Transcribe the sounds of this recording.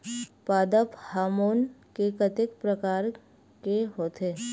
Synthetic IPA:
paːd̪əphaːmoːnkekət̪ɪkpɾəkaːɾ | keɦoːt̪eː

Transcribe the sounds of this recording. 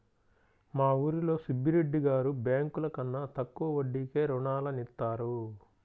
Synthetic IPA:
maːuːɾilo̞ːsubːiɾeɖːiɡaːɾubjaːŋkulɐkɐnːɐt̪ɐkːuʋɐʋɐɖːike̞ːɾuɳaːlɐnit̪ːaːɾu

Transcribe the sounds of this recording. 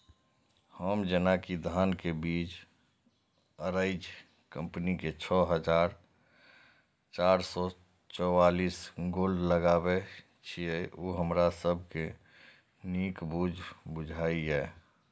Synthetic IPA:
həmd͡ʒənakid̪ʱaːnkebiːt͡ʃ | əɾəɪd͡ʒ | kə̃mpniket͡ʃʰɔɦəd͡ʒaːɾ | t͡ʃaːɾsɔ | t͡ʃɔwaliːsɡoːlɖləɡabe | t͡ʃʰieʔoːɦəmɾasəb̚ʱke | niːkbud͡ʒʱbʊd͡ʒʱaːiɦɛː

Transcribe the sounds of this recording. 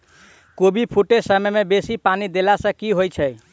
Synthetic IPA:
kobipʰuʈesəməjmebesipanid̪elasə̃kiɦojt͡ʃʰə

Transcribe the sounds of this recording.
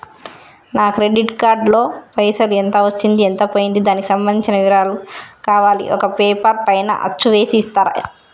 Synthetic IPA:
naːkɾeɖiʈkaːɾɖlo̞ːpɐjsɐluent̪ɐʋɐt͡ʃːind̪ient̪ɐpoːjind̪id̪aːniki̥sɐmbɐnd̪iɲt͡ʃinɐʋiɾaːlukaːʋaːlḭʔɔ̰kɐpeːpɐɾpɐjnɐ̰ʔɐ̰t͡ʃːuʋe̞ːsiːst̪aːɾɐ̰

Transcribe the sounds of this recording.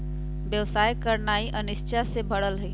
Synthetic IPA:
ʋjəʋsaːjkəɾnaːiʔɐnɪʃt͡ʃasebɐɽəlɦɐi

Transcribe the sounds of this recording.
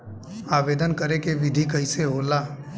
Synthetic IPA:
aːʋeːd̪ənkəɾekeʋɪd̪ʱikəɦiseɦoːlaː

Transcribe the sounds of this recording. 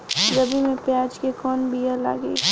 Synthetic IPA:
ɾəbimẽpjaːd͡ʒkekɔːnbijəla̰ːɡḛː

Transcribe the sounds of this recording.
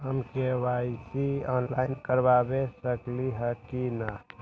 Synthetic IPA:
ɦəmkewaisiɔːnlaːɪnkəɾbabesəkliɦəkina

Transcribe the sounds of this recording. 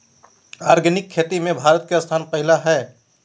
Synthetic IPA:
aːɾɡənɪkʰːet̪imẽbʱaːɾət̪̚keəst̪ʰaːnpəɦɪlaɦɛː

